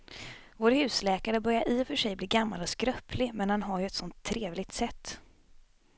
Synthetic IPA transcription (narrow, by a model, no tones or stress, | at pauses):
voːɾhʉ̟ːslɛːkaɾəbœɾjaɾʔiːfœʂɛjbliːɡamːa̰lɔskɾœpʰlɪmɛnhanɦaɾjɵɛt̪sɔnt̪ʰːɾeːvlɪɡ̚t̪sɛt̪ː